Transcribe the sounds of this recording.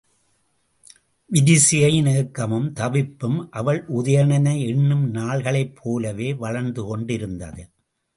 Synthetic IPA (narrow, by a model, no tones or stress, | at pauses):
ʋɪðɪsɪjɐɪneːkːɐmɯmt̪ɐʋɪpːɯmʔɐʋɐɭʔʊðɐjɐɳɐnɐɪɛɳːɯmnaːɭɣɐɭɐɪpʰːoːlɐʋeːʋɐɻɐɾnd̪ɯkɔɳɖɪɾɯnd̪ɐ̰ðɯ